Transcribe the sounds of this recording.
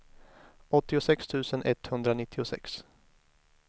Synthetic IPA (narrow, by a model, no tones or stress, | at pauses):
ɔt̪ːɪʊsɛkst̪ʰʉ̟ːsənʔɛt̪hɵnd̪ɾanɪt̪ʰːɪʊsɛ̰ks